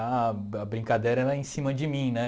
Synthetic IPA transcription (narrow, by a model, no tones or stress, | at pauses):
aɐbɾĩŋkad̪eɾɐɛlɐẽsĩmɐd͡ʒɪmĩnɛ